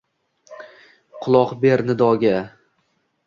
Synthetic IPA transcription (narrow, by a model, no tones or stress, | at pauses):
qʰʊlˠɒqbeɾnɪd̪ɒɡʲa